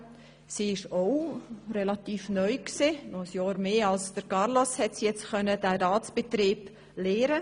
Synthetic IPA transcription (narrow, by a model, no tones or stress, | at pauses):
siːɪʃoʊrɛlɑtiːfnœʏksenɔχəsjɑːɾmeːɑlsd̥əɾkɑɾlɔshɛtsjɛt͡stxœnədæːɾɑːtt͡sb̥et̪ɾiːb̥ | leːɾə